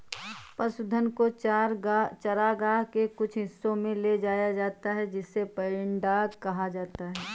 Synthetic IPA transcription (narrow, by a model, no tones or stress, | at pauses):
pəsʊd̪ʱənkoaɾt͡ʃɐɾaɡaːɦkekʊt͡ʃʰɦɪsːõmẽled͡ʒaːjad͡ʒaːt̪aɦɛd͡ʒɪsːepɐɾɪɳɖaːkɐɦad͡ʒaːt̪aɦɛː